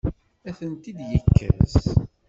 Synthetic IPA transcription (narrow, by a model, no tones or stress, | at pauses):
æθənt̪id̪jəkːæ̰z